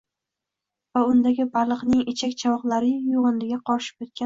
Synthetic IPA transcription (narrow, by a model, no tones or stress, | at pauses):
vaʊnd̪aɡʲɪbalˠɨqnɪŋet͡ʃʰakʲt͡ʃʰawɒqlˠaɾɪjoʁɨnd̪ɪɡʲaqʰɒɾʃɪ̥p̚ʲet̪̚kʲan